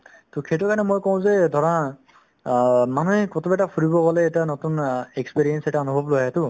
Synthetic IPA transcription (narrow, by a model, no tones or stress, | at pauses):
tukʰetɔkanɛmojkɔw̃zɛdʱɔɹa | manuɦɛkɔtubɛtapʰuɹibɔɡɔlɛetanɔtunekspiɹijɛnsɛtaɔnubʱɔblojɛtʊ